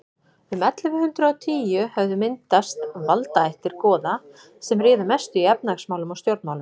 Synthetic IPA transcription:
ʏmɛt̪lʏvɪhʏnt̪ɾʏɔwt̪ʰiːjʏhɛvðʏmɪnt̪ast̪valt̪aejht̪ɪɾ̥kɔːða | sɛmrɪːðʏmɛst̪ʏiɛp̚naksmaːwlʏmɔɣst̪jowɾt̪maːwlʏm

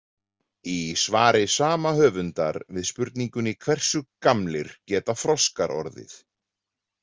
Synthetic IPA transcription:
isvaːɾɪsaːmahœːvʏnt̪aɾvɪðspʏɾt̪niŋkʏnikʰvɛr̥sʏkamlɪɾ̥cɛːt̪afɾɔskaɾʔɔ̰ɾðɪ̰θ

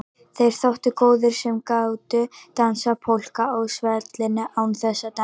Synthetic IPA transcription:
θejɾ̥θawht̪ʏkoːwðʏɾ̥sɛmkawt̪ʏt̪ansapʰowl̥kaowsvɛt̪lɪnːɪʔawnθɛsːat̪a

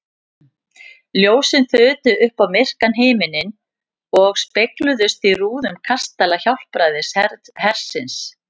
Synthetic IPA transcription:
ljoːwsɪnθœːt̪ʏʔʏhpawmɪr̥kanɦeːjmɪnɪn | ɔɣspeklʏðʏst̪iruːðʏmkʰast̪alaçawl̥pɾajðɪshɛɾt̪hɛr̥sɪns

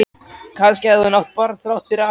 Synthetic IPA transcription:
kʰanscɪɛðvʏnawht̪̚paɾθɾawht̪fɪɾa

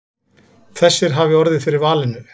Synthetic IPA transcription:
θɛsːɪɾ̥ɦaːvɪɔɾðɪðfɪːɾɪɾvaːlɪnːʏ

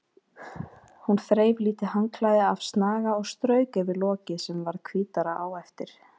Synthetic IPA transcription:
hunθɾeːjvliːt̪ɪhaŋkʰlaːjðɪav̥st̪naːɣaɔɣst̪ɾœːɥkavɪlɔːcɪsɛmvaɾkʰviːt̪aɾaʔaːwɛft̪ɪɾ̥

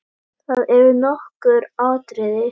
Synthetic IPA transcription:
θaðɛɾvɪɾnɔhkʏɾaːwt̪ɾɪðɪ

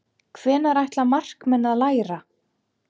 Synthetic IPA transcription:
kʰvɛːnaɾajht̪lamar̥kmɛnːaðlaːjɾa

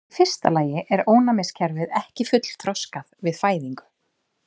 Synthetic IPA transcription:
fɪr̥st̪a̰laːjɪʔɛɾoːwnamɛscʰɛɾvɪðɛhcɪfʏt̪l̥t̪ʰɾɔskaðvɪðfaːjðiŋkʏ̥

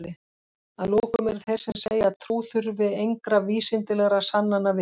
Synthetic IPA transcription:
lɪ | aðloːkʏʏmɛɾθɛr̥sɛmseːjat̪ʰɾuːθʏɾvɪðejŋkɾaviːsɪnt̪ɪlɛɣɾasanːanːavɪ

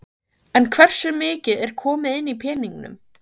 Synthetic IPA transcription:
ɛnkʰvɛr̥sʏmɪːcɪðɛɾ̥kʰɔːmɪðɪnːipʰɛːniŋnʏ̰m

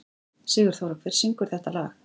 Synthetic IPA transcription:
sɛːɣʏɾ̥θowɾakvɪɾ̥r̥siŋkʏɾ̥θɛht̪alaːɣ

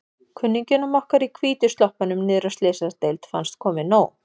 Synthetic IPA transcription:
kʰʏnːiɲcɪnɔmɔhkaɾikʰviːt̪ʏ̥st̪lɔhpanʏmnɪːðɾanst̪leːsaɾt̪ejlt̪fa̰nst̪̚kʰɔːmɪnoːw

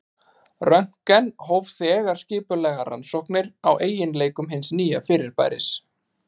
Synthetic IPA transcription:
rœn̥kɛnɦowvθɛːɣaɾ̥scɪːpʏlɛːɣaɾa̰nsɔhknɪɾawʔeːjɪnleːjkʏmɦɪnsniːjafɪːɾɪɾ̥pa̰ːjɾɪ̰s

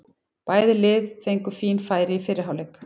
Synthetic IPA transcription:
paːjðɪlɪːðθejŋkʏfiːnfaːjɾɪifɪɾɪɾɦawlɛːk

